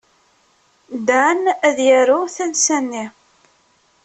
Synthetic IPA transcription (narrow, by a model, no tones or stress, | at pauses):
d̪anæðjæɾuθænsænːi